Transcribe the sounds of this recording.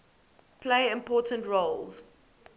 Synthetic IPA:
pʰleɪɪ̃mpʰɔˑtʰə̃ntɹoʊlz̥

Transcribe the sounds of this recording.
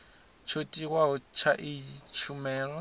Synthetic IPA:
t͡ʃʰotʼiwaʊt͡ʃʰaʔɪt͡ʃʰumɛːlɔ

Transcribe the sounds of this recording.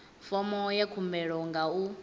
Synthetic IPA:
fɔmɔjekʰumbɛɺɔŋɡau

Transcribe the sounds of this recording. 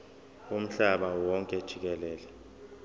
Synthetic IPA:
um̩ɬaɓawɔŋkʼɛd̥ʒ̥ʱik̬ɛlɛːlɛ

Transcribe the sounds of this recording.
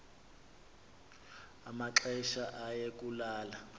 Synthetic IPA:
amaǁɛʃaʔajekʼulaːla

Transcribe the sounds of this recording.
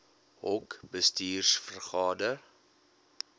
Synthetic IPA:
ɦɔkbəstiːrsfərχɑːdər

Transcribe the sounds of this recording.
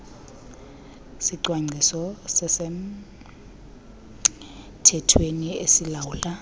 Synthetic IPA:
siǀwaŋ͡ǀʱisɔsɛsɛm̩ | tʰɛtʰweniesilawuɬʼa

